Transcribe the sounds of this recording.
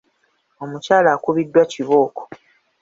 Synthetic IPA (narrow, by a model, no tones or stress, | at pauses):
o̞mucaːlaːkuβidːwaciβo̞ːko̥